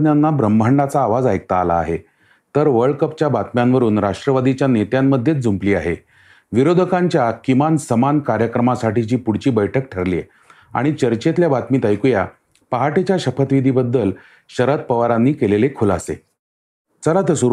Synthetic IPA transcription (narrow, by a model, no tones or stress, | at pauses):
njanːabɾəmbʱaɳɖat͡saːʋad͡zaek̚t̪aːla̰ːɦe | t̪əɾʋəɭɖkəpt͡ɕjabat̪mjanʋəɾuːnɾaʂʈɾəʋad̪it͡ɕjanet̪jamːəd̪ʱjet͡sd͡zumpliːa̰ɦe | ʋiɾod̪ʱəkaɲt͡ɕjakimansəmankaɾjəkɾəmasaʈit͡ɕiːpuɽt͡ɕiːbəjʈʰək̚ʈʰəɾlḭː | a̰ɽ̃it͡ɕəɾt͡ɕet̪ljabat̪miːt̪ajkuja | paɦaʈet͡ɕjaɕəpət̪ʋid̪ʱibəd̪ːəl | ɕəɾət̪̚pəʋaɾanːiːkelelekʰulasḛ | t͡səlat̪əsu